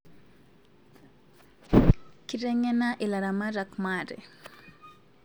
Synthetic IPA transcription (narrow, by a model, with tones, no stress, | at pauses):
ki˦ɾɛ˦ɲɛ˦na˦ʔɪ˨la˨ɾa˨ma˦ɾa˨kma˨ɾɛ̰˨